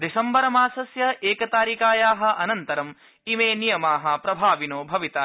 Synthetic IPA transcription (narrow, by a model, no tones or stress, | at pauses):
d̪isɐmbɐɾɐmaːsɐsjɐʔeːkɐt̪aːɾikaːjaːɦɐ̆ʔɐnɐnt̪ɐɾɐm | imeːnijɐmaːɦɐ̆pɾɐbʱaːʋinoːbʱɐʋit̪aː